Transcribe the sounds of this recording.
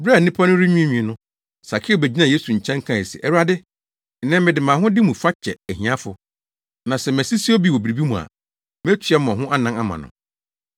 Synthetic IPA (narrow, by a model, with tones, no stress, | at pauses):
bɾa˦˨nĩ˦pʰa˦nʊ̃˦ɾi˦ɲũ˦ẽ˦ɲĩ˨nʊ̃˦ | sa˨kʰɪ˦o˨bæ˨d͡ʑi˦nã˨je˦su˨ɲ̩˨t͡ɕʰɛ̃˦ŋ˦kʰã˨e˨sɛ̰˨ʔɛ˦wa˦dɪ˦˨ | nɛ̃˦m˦mɪ̃˨dɪ˨mã˨ɦʊ̃˦dɪ˦mũ˨fa˦t͡ɕʰɛ˨æ˨ɦĩ˨ã˦fʊ̰˨ | nã˨sɛ˨m˨ɛ˨si˦si˦o˦bi˦˨wɔ˨bi˨ɾi˨bi˦mũ˨a̰˨ | m˦ɛ˦t͡ɕʰᶣɥɛ˦m˦ɔ̃˨ɦʊ̃˦ʔa˦nã˦na˦mã̰˨nʊ̰̃˨